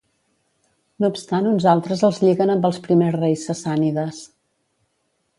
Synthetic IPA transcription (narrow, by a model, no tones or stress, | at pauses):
noupst̪anunzalˠt̪ɾəzəlˠzʎiɣənəmbəlˠspɾimezrejsːəsaniðəs